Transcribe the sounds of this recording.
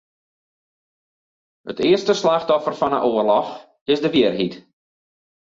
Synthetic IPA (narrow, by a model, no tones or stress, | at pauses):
ə̰tɪərstəslaxtɔfərfɔnə̰ʔoərlɔx | ɪsdəʋiərɦit